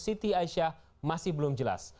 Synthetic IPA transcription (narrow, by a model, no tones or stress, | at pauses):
sit̪iaiʃa | masɪhbəlʊmd͡ʒəla̰s